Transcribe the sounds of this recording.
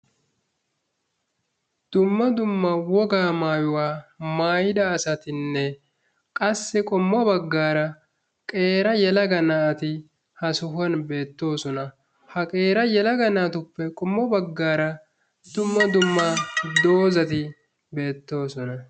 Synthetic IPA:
d̪̥ʊmːɐd̪ʊmːɐwɔɡaːmaːjʊwaːmaːjɪd̪ɐːsɐt̪ɪnːɛ | kʼɐsːɪkʼɔmːɔbɐɡːaːɾɐ | kʼe̞ːɾɐjɛlɐɡɐnɐʔɐt̪ɪ | hɐsʊɦʊɐnbe̞ːt̪ːo̞ːsɔnɐ | hɐkʼe̞ːɾɐjɛlɐɡɐnɐt̪ʊpːɛkʼɔmːɔbɐɡːaːɾɐ | d̪̥ʊmːɐd̪ʊmːad̪o̞ːzɐt̪ɪ | be̞ːt̪ːo̞ːsɔnɐ

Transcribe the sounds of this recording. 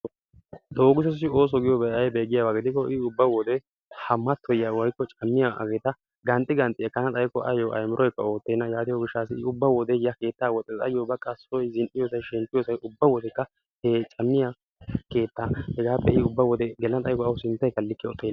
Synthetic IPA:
d̪o̞ːɡɪsɔs̬ɪo̞ːs̬ɔɡɪjɔbɛjɐjbeːɡɪjabaɡɪd̪ɪkːɔʔɪʊbːɐwɔd̪ɛ | hɐmːɐt̪ʰːɔjawɔjkːɔt͡ʃʼɐmːɪjaʔɐ̰ɡeːt̪ɐ | ɡɐnt̪ʼːɪɡɐnt̪ʼɪɛkːɐnɐt̪ʼɐjkɔʔɐ̰joʔɐ̰jmɪɾʔɔjkːɐo̞ːt̪ːeːnːɐjaːt̪ɪjɔɡɪʃːaːsɪɪʊbːɐwɔd̪ɛjɐke̞ːt̪ːaːwɔt̪ʼɛtʼɐ̰jobɐkʼːɐsɔjzɪnʔɪjɔsɐjʃɛmpːɪjɔsɐjʔʊbːɐwɔd̪ɛkːɐ | het͡ʃʼɐmːɪja | ke̞ːt̪ːahɛɡaːpːɛɪʊbːɐwɔd̪ɛɡɛlɐnɐt̪ʼɐjkɔɐʊsɪnt̪ːɐjkːɐlːɪkːɪɔt̪ʼːen

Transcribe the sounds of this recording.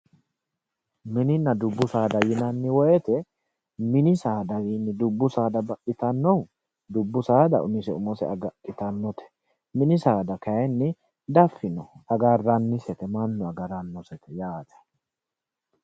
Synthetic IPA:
mɪnɪnːɐd̪ʊbːʊsaːd̪ɐjɪnɐnːɪwɔjɛt̪ɛ | mɪnɪsaːd̪ɐwiːnːɪd̪ʊbːʊsaːd̪ɐbɐʔɪt̪ɐnːɔw | d̪ʊbːʊsaːd̪ɐ̰ʊnɪsɛʊmɔsɛ̰ɐɡɐʔɪt̪ɐnːɔt̪ɛ̥ | mɪnɪsaːd̪ɐkɐjɛnːɪ | d̪ɐfːɪnɔɐɡɐrːɐnːɪsɛt̪ɛmɐnːɔɐɡɐɾɐnːɔsɛt̪ɛjaːt̪ɛ̥

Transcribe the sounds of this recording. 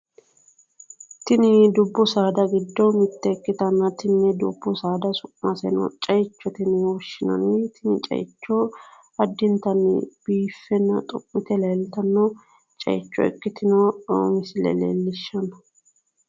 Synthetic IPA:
t̪ɪnɪd̪ʊbːʊsaːd̪ɐɡɪd̪ːɔmɪt̪ːɛɛkːɪt̪ɐnːɐt̪ɪnnɛd̪ʊ̰bːʊsaːd̪ɐsʊʔmɐsɛnɔ̰t͡ʃʼɐjt͡ʃːɔt̪ɪnwɔʃɪnɐ̰nɪt̪ʰɪnɪt͡ʃʼɐ̰jt͡ʃːɔ | ɐd̪ːɪnt̪ɐnb̥iːfːɛnːɐ̰t̪ʼɔpːɪt̪ɛlɐjlt̪ɐnːɔ | t͡ʃʼɐ̰jt͡ʃːɔ̰ɛ̰kːɪt̪ɪnɔmɪsɪlɛ̰lḛːlːɪʃːɐnɐ

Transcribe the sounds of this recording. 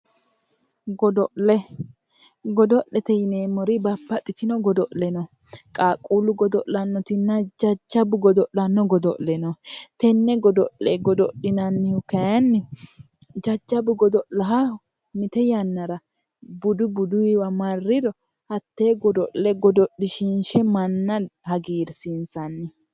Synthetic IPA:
ɡɔd̪ɔʔlɛ | ɡɔd̪ɔʔːɛt̪ɛjɪneːmɔɾɪbɐpːɐt̪ʼːɪt̪ɪnɔɡɔd̪ɔʔlɛnɔ | kʼaːkʼːuːlʊɡɔd̪ɔʔlɐnːɔt̪ɪnːɐd͡ʒɐd͡ʒːɐbʊɡɔd̪ɔʔlɐnːɔɡɔd̪ɔ̰ʔlɛnɔt̪ɛnːɛɡɔd̪ɔ̰ʔɛɡɔd̪ɔɗɪnanːɪhʊkɐjɐnːɪ | d͡ʒɐd͡ʒːɐbʊɡɔd̪ɔʔlɐɦɐ | mɪt̪ɛjɐnːɐɾɐ | bʊd̪ʊbʊd̪ʊɪwɐmɐrːɪd̪ɔ | hɐt̪ːeːɡɔd̪ɔʔlɛɡɔd̪ɔɗɪʃɪnʃɛmɐnːɐhɐɡiːɾsɪnsɐnːɪ

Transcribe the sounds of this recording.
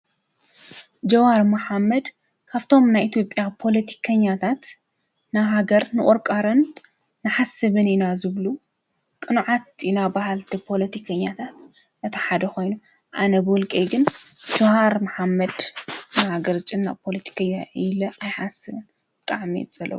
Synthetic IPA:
d͡ʒɐwaɾmɐħamːɐd̪ | kʰaβt̪ʰo̞mnajʔit̪ʰjo̞pʼjapʰo̞lɐt̪ʰi̥kʰɐɲːat̪ʰat̪ | naɦaɡɐɾnɨʔʼɔɾkʼaɾɐnː | ɨħasɨβɨnɪnazɨβlu | kʼɨnʕat̪ɪnabahalt̪ʰipʰo̞lɐt̪ʰikʰɐɲːat̪ʰat̪ | nɐt̪ʰɐħad̪ɐko̞jnu | ʔa̰nɐbɨwʊlkʼejɡɨnd͡ʒohaɾmaħamːɐd̪nahaɡɐɾt͡ʃʼɪnːa̰pʰo̞lɐt̪ʰi̥kʰɐɲːaɪlɐʔajħasɨβɨn | bɨt̪ʼaʕmḭzʼɐlːɐ̰βu

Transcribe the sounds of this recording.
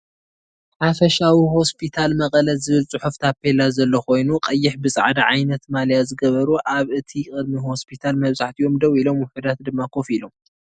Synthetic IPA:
ħafɐʃawiho̞spʰit̪ʰalmɐkʼɐlɐzɨβɨlsʼɨħuft̪ʰapʰːe̞lazɐlːɐxo̞jnuqʼɐjːɪħbɨsʼa̰ʕd̪aʕajnɐt̪maljazɨɡɐβɐɾuʔaβɨt̪ʰikʼɨd̪miɦo̞spʰit̪ʰalmɐβzaħt̪ʰijo̞md̪ɐwilo̞mwʊħud̪at̪d̪ɨmːakʰo̞filo̞m

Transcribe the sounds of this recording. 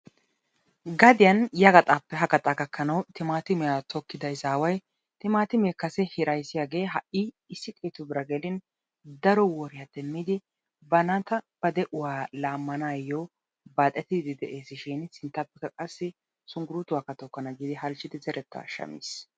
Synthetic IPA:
ɡɐd̪ɪjɐnjɐɡɐt̪ʼaːpːɛɦɐɡɐt̪ʼakɐkʰːɐnɐwt̪ɪmaːt̪ɪmɛjat̪ɔkːɪd̪ɐɪsaːwɐj | t̪ɪmaːt̪ɪmeːkɐsɛhɪɾɐjsɪjaːɡe̞ːɦɐʔɪ | ɪsːɪkʼeːt̪ʊbɪɾɐɡɛlɪn | d̪ɐɾɔwɔɾɪjat̪ɛmːid̪ɪ | bɐnat̪ɐb̥ɐd̪ɛʔʊwaːlaːmːɐnaːjɔ | baːt̪ʼːɛt̪ːɪd̪ɪd̪ɪd̪ɛʔe̞ːsɪʃɪnsɪnt̪ːɐpːɛkːɐkʼɐsːɪ | sʊŋɡʊɾut̪ʊwaːkːɐt̪ɔkːɐnɐɡiːd̪ɪɦɐlt͡ʃːɪd̪ɪzɛɾʔɛt̪ːɐa̰ʃɐ̰mḭːs

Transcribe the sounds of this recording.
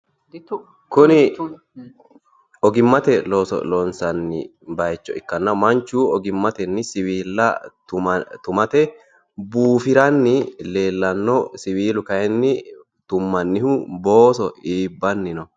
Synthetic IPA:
kʊnɪ | ɔɡɪmːɐt̪ɛloːsɔ̰lɔnsɐnːɪ̰ | bɐjt͡ʃːɔɪkːɐnːɐmɐnt͡ʃːuːɔɡɪmːɐt̪ɛnːɪsɪwiːlːɐt̪ʊt̪ʊmɐt̪ɛ | buːfɪɾɐnːɪle̞ːlːɐnːɔsɪwiːlʊkɐjɛnːɪ | t̪ʊmːɐnːɪhʊbo̞ːsɔiːbːɐnːɪnɔ

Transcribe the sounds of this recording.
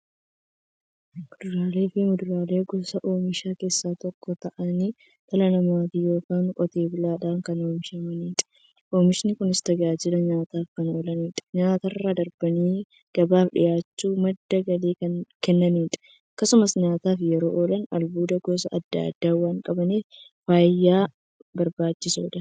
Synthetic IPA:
mʊd̪ʊɾaːle̞ːfɪmʊd̪ʊɾaːle̞ːɡɔsɐʔoːmɪʃaːke̞ːsːaːt̪ɔkːɔt̪ɐʔɐni | t̪ɐlɐnɐmaːt̪ijo̞ːkaːnkʼɔt̪e̞ːbɪlaːᶑaːŋkɐno̞ːmɪʃɐmɐniːt̪ʼɛ̥ | ʔoːmɪʃɪnɪkʊnɪst̪ɐɡaːd͡ʒɪlɐɲaːt̪aːfkɐno̞ːlɐniːt̪ʼɛ̥ɲaːt̪ɐrːaːd̪ɐɾbɐniː | ɡ̥ɐbaːfᶑɪ̰jaːt͡ʃːuːmɐd̪ːɐɡɐliːkɐnkɛnːɐniːt̪ʼɛ̥ | ɐkːɐsʊmɐsɲaːt̪aːfjɛɾo̞ːʔoːlɐnɐ̰lbuːd̪ɐɡɔsɐɐd̪ːa̰ɐ̰d̪ːaːwaːŋkʼɐbɐneːfaːjːaː | bɐɾbaːt͡ʃːɪso̰ːᶑ̪ɐ

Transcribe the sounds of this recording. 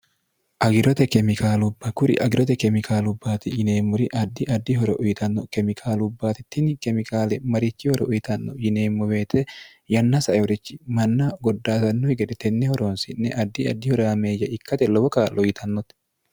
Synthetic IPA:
ʔɐɡɪɾɔt̪ɛkɛmɪkaːlʊbːɐkʊɾɪ̰ʔɐɡɪɾɔt̪ɛkɛmɪkʰaːlʊbːaːt̪ɪjɪneːmːʊɾɪʔɐd̪ːɪʔɐd̪ːɪɦɔɾɛʔʊjɪt̪ɐnːɔkɛmɪkʰaːlʊbːaːt̪ɪt̪ːɪnkɛmɪkʰaːlɛmɐɾɪt͡ʃːɪhɔɾɛʔʊjɪt̪ɐnːɔjɪne̞ːmːʊweːt̪ʰɛ | jɐnːɐsɐʔɛɔɾɪt͡ʃːɪ̥mɐnːaɡɔd̪ːaːsɐnːɔhɪɡɛd̪ɛt̪ːɛnːɛhɔɾoːnsɪnːɛʔɐd̪ːɪɐd̪ːɪhɔɾameːjːɐʔɪkːɐt̪ɛlɔwɔkaːlʔɔjɪt̪ʰɐnːɔt̪

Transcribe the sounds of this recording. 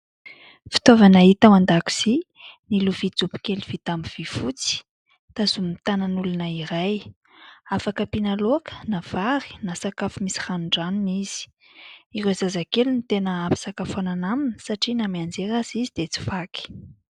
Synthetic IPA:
fi̥t̪ovanaɦit̪amand̪aku̥z̥i | niluvid͡zupi̥keliv̥it̪amiv̥ifut͡si̥ | t̪azumit̪anənulunəiɾaj | afakəpinalokə̥nav̥aɾi̥nasakafumisi̥ranuɳɖ͡ʐanuniz̥i̥ | irezazakelunit̪enəapi̥sakafananaminə̥saʈ͡ʂinamiand͡zeɾazizid̪et͡si̥faki̥

